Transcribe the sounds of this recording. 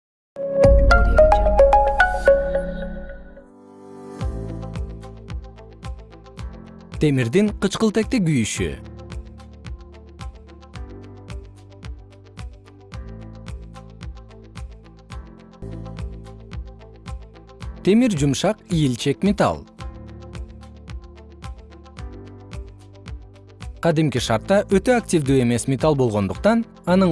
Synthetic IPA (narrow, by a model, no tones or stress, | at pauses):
t̪ʰe̞miɾd̪iŋqɯt͡ʃqəlˠt̪ek̚t̪eɡyjyʃy̰ | t̪ʰe̞miɾd͡ʒumʃɑqijilt͡ʃe̞kmʲet̪ɑ̰lˠ | qʰɑd̪imkiʃɑɾt̪ːɑʔøt̪ø̞aktʲivd̪yːe̞me̞smʲet̪alˠbolˠʁo̞nd̪uqt̪ɑn | ɑnɯ